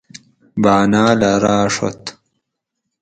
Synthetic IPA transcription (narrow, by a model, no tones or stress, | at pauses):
baːnaːlaɾaːʂo̰t̪